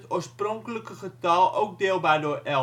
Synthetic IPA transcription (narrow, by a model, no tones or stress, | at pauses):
tospɾõŋkləkəχət̪ɐlˠowk̚d̪elˠbaːdoʔɛ